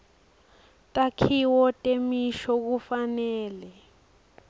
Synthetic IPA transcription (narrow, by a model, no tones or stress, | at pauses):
tʼakʰiwɔtʼemiʃɔk̬ufanɛːlɛ